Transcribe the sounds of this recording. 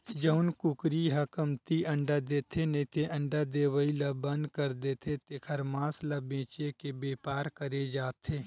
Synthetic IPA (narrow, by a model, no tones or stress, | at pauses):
d͡ʒəʊnkʊkɾiɦɐkəmt̪iɐ̃ɳɖad̪eːt̪ʰenet̪ʰeʔɐ̃ɳɖad̪eːʋəilɐbɐ̃nd̪kəɾd̪eːt̪ʰet̪ekʰəɾmãːslɐbẽːt͡ʃekebeːpaːɾkəɾed͡ʒaːt̪ʰeː